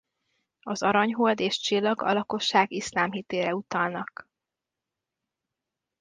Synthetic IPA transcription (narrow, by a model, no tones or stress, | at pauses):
ɒzɒɾɒɲɦold̪eːʃt͡ʃilːɒɡɒ̰lɒko̞ʃːaːɡislaːmɦit̪eːɾɛut̪ɒlnɒk